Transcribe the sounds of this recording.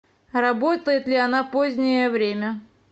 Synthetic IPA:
rɐbot̪əjɪt̪lʲɪɐnapozʲnʲɪjəvɾʲemʲə

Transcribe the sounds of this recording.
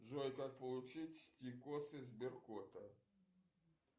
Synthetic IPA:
ʐɔjkapɐlˠut͡ʂɨt͡sʲsʲt͡sʲikɔsɨzʲbʲirkɔt̪ɐ

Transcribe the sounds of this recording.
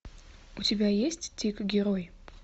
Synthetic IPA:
ʊtʲɪbʲajesʲtʲtʲikɡʲɪɾoj

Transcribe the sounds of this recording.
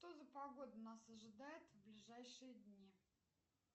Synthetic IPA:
ʂt̪ozəpɐɡo̞d̪ənasɐʐɨd̪ajɪt̪vblʲɪʐajʂɨjəd̪ʲnʲi

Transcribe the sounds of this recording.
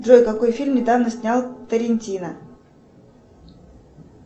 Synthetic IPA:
d̪rojkɐko̞jfʲilʲmnʲɪd̪avnəsʲnʲalˠt̪əɾʲɪnʲtʲinə

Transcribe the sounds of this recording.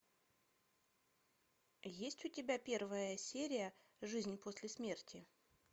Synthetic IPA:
jesʲtʲʊtʲɪbʲapʲe̞rvəjəsʲeɾʲɪjəʐɨzʲnʲposʲlʲɪsmʲe̞rtʲɪ

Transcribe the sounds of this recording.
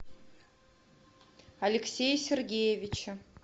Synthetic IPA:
alʲeksʲejsʲerɡʲejevʲit͡ʃʰɪ

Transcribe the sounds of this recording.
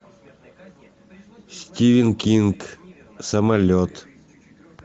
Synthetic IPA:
sʲtʲiʋʲɪnkʲiŋk | sɐmɐlʲot̪

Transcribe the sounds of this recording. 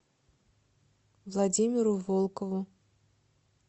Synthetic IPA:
vlˠadʲimʲɪɾʊvolˠkəvʊ

